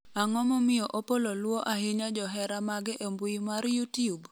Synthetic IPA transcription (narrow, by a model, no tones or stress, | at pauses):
aŋɔmɔmɪjɔʔopololwoʔaɦɪɲad͡ʒɔɦɛɾamaɡɪʔembuimaɾjutijub